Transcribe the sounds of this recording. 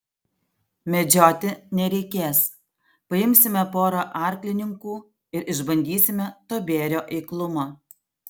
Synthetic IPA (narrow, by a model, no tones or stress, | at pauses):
mʲɛd͡ʒʲoːt̪ʲɪnʲɛɾʲɛɪkʲeːs | pɐjɪmʲsʲɪmʲɛpoːɾoːʔɑˑɾʲklʲɪnʲɪŋkuː | ɪɾʔɪʒbɐnʲd̪ʲiːsʲɪmʲɛt̪oːbʲeːɾʲoːʔɛɪklˠʊmoː